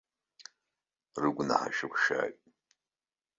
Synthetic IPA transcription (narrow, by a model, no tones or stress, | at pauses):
rɨɡʷna̰ħa̰ʃɨkʷʰʃa̰ːkʼ